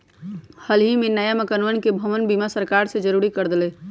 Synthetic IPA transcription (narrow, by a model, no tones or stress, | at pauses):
həlɦimenajəməkənuənkebʱəmənbimasəɾkaɾsẽd͡ʒəɾuɾikəɾd̪elɛ